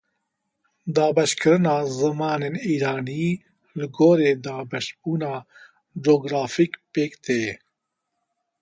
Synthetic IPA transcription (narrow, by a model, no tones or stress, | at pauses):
d̪aːbɐɕkɾənaːzɐmaːneniːɾaːni | lɡoːɾed̪aːbɐɕpunaː | ɖoːɡɾaːfikpeːkt̪eː